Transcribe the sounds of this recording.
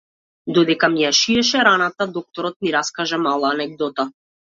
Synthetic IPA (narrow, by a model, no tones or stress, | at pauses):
d̪ɔd̪ɛkamijaʃiɛʃɛɾanat̪ad̪ɔk̚t̪ɔɾɔt̪̚niɾaskaʒamalˠaːnɛɡ̚d̪ɔt̪a